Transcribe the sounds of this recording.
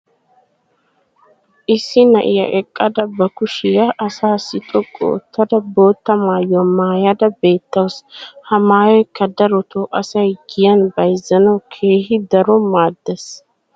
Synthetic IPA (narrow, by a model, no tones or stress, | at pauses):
ʔɪsːɪnɐ̰ʔɪjɐ̰ʔɛkʼːɐd̪ɐbɐkʊʃɪjɐʔːsaːsːɪt̪ʼɔkʼːɔ̰ːt̪ːɐd̪ɐbo̞ːt̪ːɐmaːjɔmaːjɐd̪ɐbe̞ːt̪ːɐwshɐmaːjɔjkːɐd̪ɐɾɔt̪ʰɔʔɐsɐjɡɪjɐnbɐjzːɐnɐwkʰeːhɪd̪ɐɾɔmaːd̪ːɛs